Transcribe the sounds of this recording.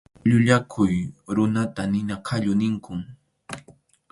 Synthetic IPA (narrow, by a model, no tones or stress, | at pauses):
ʎʊʎakʰʊjɾʊnat̪anɪnakʰaʎʊnɪŋkʊŋ